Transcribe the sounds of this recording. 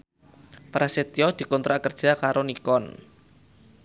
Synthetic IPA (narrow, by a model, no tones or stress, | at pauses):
pɾʔaset̪iɔd̪̥i̤kɔnt̪ɾakərd̥ʒ̥a̤kaɾonikɔn